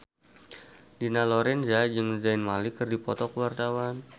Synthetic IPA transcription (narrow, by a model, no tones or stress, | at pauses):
dinalɔɾɛnzad͡ʒəŋzaɪnmalikərdipɔt̪ɔkəwart̪awan